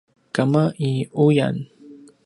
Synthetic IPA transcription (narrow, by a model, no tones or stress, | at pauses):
kamaʔiʊja̰n